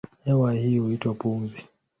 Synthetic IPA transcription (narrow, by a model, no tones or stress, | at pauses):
hɛwahiːhuitwapum̩zi